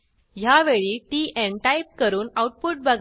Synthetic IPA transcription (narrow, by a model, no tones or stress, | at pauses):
jaʋeɭiːʈiːʔɛ̃ɳʈajp̚kəɾuːnawʈ̚puʈ̚bəɡʱ